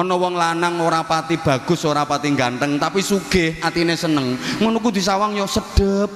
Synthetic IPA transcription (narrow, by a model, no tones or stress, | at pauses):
ɔnɔwɔŋlanaŋoɾapat̪ib̥a̤ɡ̥ʊ̤soɾapat̪iŋɡant̪əŋt̪apisuɡ̥ɪhʔat̪inesənəŋmənukud̪̥i̤sawaŋjɔsəɖ̥əp̚